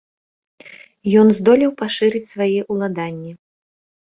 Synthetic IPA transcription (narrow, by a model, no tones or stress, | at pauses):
jɔnzd̪ɔlʲɛwpaʂɨɾɨt͡sʲsvajɛʔulˠad̪anʲːɛ